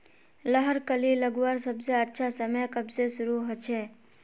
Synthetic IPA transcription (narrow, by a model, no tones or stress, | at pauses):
ləɦəɾkəliləɡuwaɾsəbseətːʃʰasəməjkəbsesʊɾuɦot͡ʃʰe